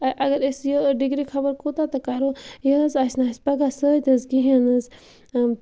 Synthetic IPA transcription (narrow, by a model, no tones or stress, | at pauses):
ɐʔɐɡɐɾesjəɖiɡɾikʰɐbəɾkot̪at̪ɐkaɾojəzasnaːspɐɡasəːt̪ɐzɡiɦenɐz